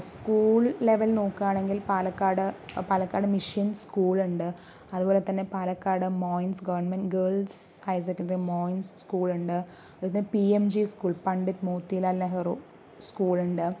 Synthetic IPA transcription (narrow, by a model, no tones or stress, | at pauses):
skuːɭːeʋɐlnoːkːaːɳe̞ŋɡilpaːlɐkːaːɽɨpaːlɐkːaːɽɨmiʂinskuːɭuɳɖɨ | ɐðubo̞ːlet̪ɐnːe̞paːlɐkːaːɽɨmoːjnsɡɐʋɐrɳnmenɡeːɭshɐjs̬ɐkːɐɳimoːjnsskuːɭuɳɖɨ | ɐðlt̪ɐnːepiemd͡ʑiskuːɭpɐɳɖɐtmoːt̪ːilaːlnɐɦɐru | skuːɭuɳɖɨ